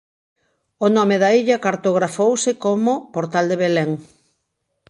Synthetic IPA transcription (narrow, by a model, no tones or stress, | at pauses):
onɔmeðaiʎakaɾt̪oɣɾafowsɪkomopoɾt̪ald̪eβeleŋ